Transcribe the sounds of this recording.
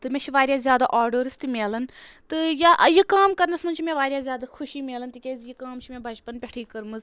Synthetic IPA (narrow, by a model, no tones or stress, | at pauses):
t̪ɨmʲẽt͡ʃʰiʋaːɾʲjaːzʲjaːd̪a̰ːʔaːɾɖoːɾɨst̪imʲeːlɐnt̪ɨjajikaːmkɐɾnɐsmɐnʲt͡ʃʰimẽʋaːɾʲjaːzjaːd̪aːxʰʊʃiːmʲeːlɐnt̪ikʲeːzjikaːmt͡ʃʰimẽbʱɐd͡ʒpɐnpʲɛʈʰiːkɐɾmɨz